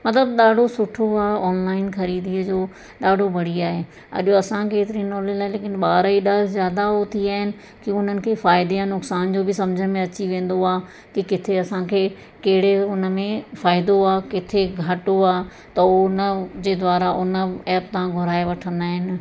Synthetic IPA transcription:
mɐt̪̬ləbɗaːɖʱosʊʈʰoaːɔːnlaːɪnxɐɾiːd̪iəd͡ʑoː | ɗaːɖʱobʱɐɽ̤iaːɦe | ɐ̰ʄoɐsãkeːt̪ɪɾinɔːlelaːɪleːkɪnɓaːɾiɗaːlzjaːd̪aot̪ʰiaːɦɪnɪ̆ | kiʊn̤ənɪ̆kʰeːfaːɪd̪ijãnʊksaːnd͡ʑoːbɪsɐ̃md͡ʑʱəmẽɐt͡ɕiʋẽːn̆d̪oaː | kikɪt̪ʰeɐsãkʰeː | kɐɦɪɽeʊnə̆mẽfaːɪd̪oaːkɪt̪ʰeɡʱɐʈoaː | t̪ɐnəd͡ʑeːd̪ʋaːɾaʔʊnəɛːp̚t̪ɐãɡʱʊɾaːeʋɐʈʰə̃nd̪aːɦɪnɪ̆

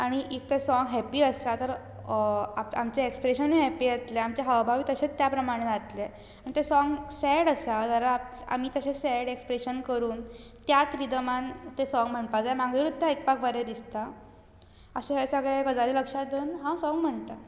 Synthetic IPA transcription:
aɽ̃iʔik̚t̪esɔŋɡɦɛpiːəst̪at̪əɾ | aamt͡ɕeekspɾeɕəneɦɛpiːat̪leamt͡ɕaɦəʋbʱaʋiːt̪əɕet͡st̪japɾəmaɽ̃ẽd͡zat̪le | aɽ̃it̪esɔŋɡsɛɽəsad͡zəɾaa̰m̤iːt̪əɕesɛɽekspɾeɕənkəɾuːnt̪jat̪ɾid̪əmãnt̪esɔŋɡm̤əɳpad͡zajmaɡʋiɾud̪ːaek̚pak̚baɾed̪ist̪a | əɕẽɦesəɡɭekəd͡zaɾiləkʂad̪uːnɦãsɔŋɡm̤əɳt̪a

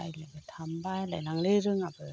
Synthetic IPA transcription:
ajlabɯtʰambajlajnaŋleɾɯŋabɯ

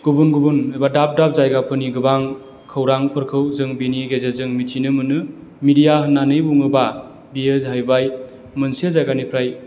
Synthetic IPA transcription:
ɡ̥ubunɡubunɯjbadap̚dap̚zajɡapʰɯniɡɯbaŋ | kʰɯwɾaŋpʰɯɾkʰɯwzɯŋbiniɡezezɯŋmitʰinɯmɯnɯ | midijaɦɯnːanɯjbuŋɯba | biezɦajbaj | mɯnsiezajɡanipʰɾaj

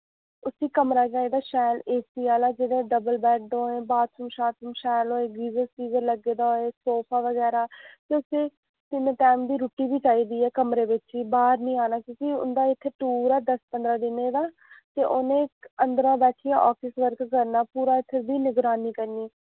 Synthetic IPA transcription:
ʊsiːkəmɾaːt͡ʃaːiːd̪aːʃɛːleːsiːaːlaːd͡ʒeːɽẽːɖəbəlbɛːʈ̚d̪õːẽːbaːd̪sʊmʃaːt̪sʊmʃɛːloːeːɡiːzəlsiːzəɾləɡeːd̪aːɦoːeːsoːpʰaːʋəɡɛːɾaːt̪eːʊsẽː | sɪmeːʈɛːmd̪iːɾuːʈiːbiːt͡ʃaːiːd̪iːɛːkəmɾeːʋɪt͡ʃiːbaːɾnĩːaːnaːkũːsiːʊ̰nd̪aːɪt̪ʰːeːʈuːɾaːd̪əspənd̪ɾaːd̪ɪnẽːd̪aː | t̪eːʔoːnẽːənd̪əɾãːbɛːʈʰiːãːʔɔːfɪsʋəɾkkəɾnaːpuːɾaːɪt̪ʰːebiːnɪɡɾaːniːkəɾniː

